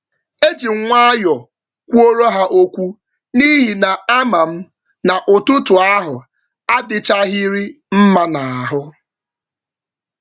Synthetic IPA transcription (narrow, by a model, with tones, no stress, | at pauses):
e˦d͡ʒi˨ŋ̩˦ŋʷa˦jɔ˨ | kʷu˦o˦ɾo˦ɦa˦ʔo˦kʷu˦ | ni˦ɦi˨na˨a˦ma˨m̩˦ | na˨ʔʊ˨tʊ˦tʊ˨a˦ɦʊ˨ | a˦dɪ˨t͡ʃa˦ɦi˦ɾi˦ | m̩˦ma˦na˨a˨ɦʊ˦